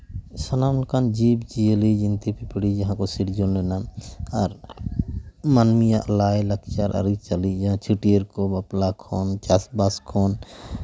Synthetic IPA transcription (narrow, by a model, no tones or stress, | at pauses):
sɔnamlkand͡ʒibd͡ʒijelid͡ʒint̪ipipɽid͡ʒaɦãkɔsiɽd͡ʒɔnlɛnaaɾ | manmijaʔlajləkʰt͡ʃaɾʔa̰ɾit͡ʃalid͡ʒãt͡ʃʰuʈijəɾkɔbaplakʰɔnt͡ʃasbaskʰɔn